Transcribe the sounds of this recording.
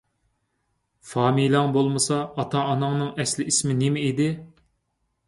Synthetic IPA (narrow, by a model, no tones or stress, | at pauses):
fɑːmijlˠɑŋbolˠmɨsɑːt̪ʰɑːnɑŋnɨŋɛslɪismɪnemɛid̪ɪ